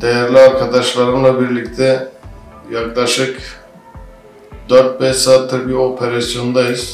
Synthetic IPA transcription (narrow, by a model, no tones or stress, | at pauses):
d̪̥ejæɾlʲiaɾkʰad̪aʃlˠaɾɯnlˠabiɾlʲict̪ʰɛ | jaklˠaʃɯk | d̪øɾt̪̚bɛsat̪ʰɯɾbio̞pʰeɾasjo̞nd̪ajiz̥